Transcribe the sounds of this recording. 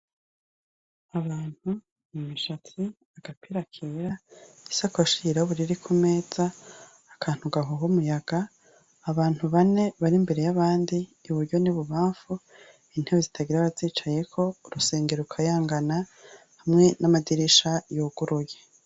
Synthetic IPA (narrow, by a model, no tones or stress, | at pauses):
aβaːn̥hu | numiʃatʰi | aɡ̥apʰiɾakʰeɾa | isakuaʃiiɾauβuɾiɾikʰume̞ːz̥aː | kʰaːn̥huɡaɦowumujaɡ̥aː | βaːn̥huβane̞βaɾimbe̞ɾe̞jaβaːndiːβuɾɟo̞niβuβaːɱfu | in̥heβezitʰaɡiɾaβaziːt͡ʃaje̞kʰo̞uɾuse̞ːŋɡe̞ɾoukʰajaːŋɡana | hamŋe̞namadiɾiʃajuːɡ̥uɾuje